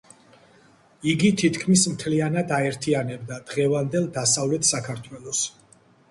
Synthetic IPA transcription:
iɡit̪ʰit̪ʰkʰmismt̪ʰlianad̪aɛɾt̪ʰianɛbd̪ad̪̥ʁɛvand̪ɛlˠd̪asavlɛt̪ʰsakʰaɾt̪ʰwɛlˠɔs

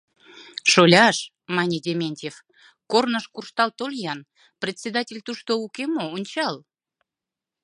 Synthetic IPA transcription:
ʃolʲɑʃ | mɑnʲedʲemʲenʲtʲef | kornəʃkurʃt̪ɑlt̪olʲjɑn | prʲet̪ʲsʲed̪ɑtʲelʲt̪uʃt̪oukemoonʲt͡ɕɑl

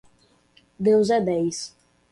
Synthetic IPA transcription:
d̪ewzɛd̪ɛjs

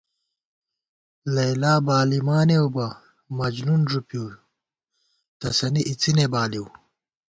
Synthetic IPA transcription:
lɐjlaːbaːlimaːnewbɐ | mɐd͡ʑnunʐupjuː | t̪ɐsɐniʔit͡sinebaːliw

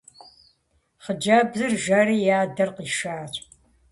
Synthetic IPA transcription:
χəd͡ʒɐbzɨrʒɐɾiːjaːdɐrqiːʃaːɕʷʼ

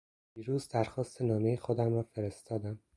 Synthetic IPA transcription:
d̪̥iːɾuːzd̪æɾxɒːst̪ʰe̞nɒːme̞jexod̪æmɾɒːfe̞ɾe̞st̪ʰɒːd̪æm

